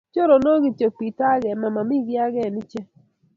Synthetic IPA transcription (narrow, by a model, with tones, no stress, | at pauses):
t͡ʃo˦ɾo˨no˦ɡɪ˦t͡ʃo˨k̚pi˨ta˦ɡɛ˨ma˨ma˨mi˦ɡɪ˦a˦ɡɛ˦˨nɪ˦t͡ʃɛ˦